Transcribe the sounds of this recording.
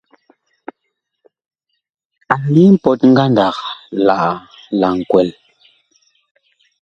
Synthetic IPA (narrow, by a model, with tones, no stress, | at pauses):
a˨li˦m̩˦pɔ˨t̚ŋ̩˦ɡa˦nda˨kla˨ʔ | la˨ŋ̩˨kwɛ˨l